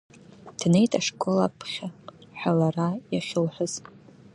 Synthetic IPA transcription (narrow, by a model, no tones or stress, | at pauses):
d̥ne̞jtʼaʂkʼo̞lapʰχʲaħʷᶣalarajaχʲɪlħʷʊz̥